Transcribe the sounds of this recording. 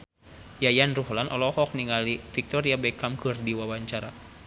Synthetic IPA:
jajanruɦlanʔɔlɔhɔk̚niŋalifik̚t̪ɔɾiabɛkamkɨrdiwawaɲt͡ʃaɾa

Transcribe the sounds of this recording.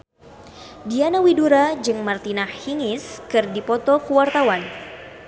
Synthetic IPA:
dianawiduɾad͡ʒɨŋmart̪inahhiŋɪskɨrdipɔt̪ɔkuwart̪awan

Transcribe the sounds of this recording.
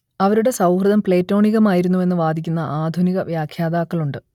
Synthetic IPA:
ɐʋɐɾuɽe̞sɐwhrɨðɐmpɭe̞ːtːo̞ːɳiɣɐmaːjiɾunːue̞nːɨʋaːd̪ʱikʲːunːɐʔaːd̪ʱuniɣɐʋjaːkʰjaːd̪aːkːɐɭuɳɖɨ

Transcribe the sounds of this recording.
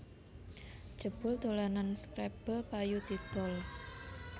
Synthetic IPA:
d͡ʒ̥ə̤b̥ʊlt̪olananskɾɛb̥əpajut̪it̪ʊl

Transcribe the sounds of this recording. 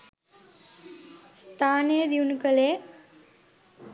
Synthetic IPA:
st̪ʰaːnejəd̪iunukəle

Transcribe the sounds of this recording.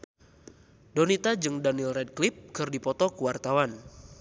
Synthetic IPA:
dɔnit̪ad͡ʒɨŋdanilrɛd̚klip̚kɨrdipɔt̪ɔkuwart̪awan

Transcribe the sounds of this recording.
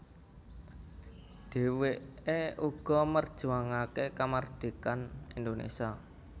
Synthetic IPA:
ɖ̥e̤weʔeuɡ̥ɔ̤mərd̥ʒ̥uaŋakekamard̪̥ikanind̪onḛsa

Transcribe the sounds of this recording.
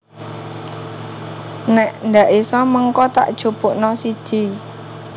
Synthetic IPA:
nɛʔnd̪aʔisɔməŋkɔt̪a̰ʔd̥ʒ̥ṳpʊʔnɔsid̥i̤

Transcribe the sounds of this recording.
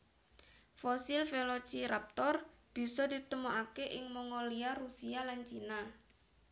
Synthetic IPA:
fosilfelot͡ʃiɾap̚t̪ɔrb̥i̤sɔd̪i̤t̪əmuʔakeʔɪŋmɔŋoliarusialant͡ʃina

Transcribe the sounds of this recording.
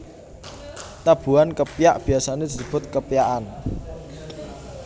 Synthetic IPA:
t̪ab̥ṳankəpijaʔb̥i̤asaned̪̥isəb̥ʊ̤t̪̚kəpijaʔan

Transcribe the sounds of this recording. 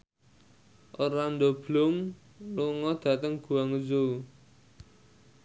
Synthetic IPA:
ʔoɾand̪ob̥lʊm | luŋɔd̪̥ä̤t̪əŋɡ̥ṳaŋuzo

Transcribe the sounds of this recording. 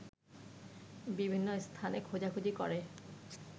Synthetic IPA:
bibʱinːost̪ʰanekʰod͡ʑakʰud͡ʑikɔ̰ɾe

